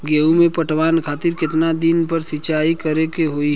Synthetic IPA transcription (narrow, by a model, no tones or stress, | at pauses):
ɡeːumẽpəʈʋaːnkʰaːt̪ɪɾkɪt̪nad̪ɪnpəɾsɪt͡ʃaːikəɾekeɦoi